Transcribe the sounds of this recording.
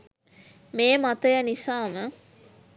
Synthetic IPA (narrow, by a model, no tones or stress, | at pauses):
meːmat̪əjənisaːmə